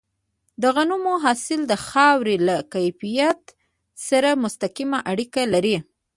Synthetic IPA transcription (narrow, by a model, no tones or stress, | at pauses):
d̪əɣanumoɦɑsɪld̪əxɑwɾelakajfijat̪ | saɾamʊst̪akimaʔaɽikalaɾi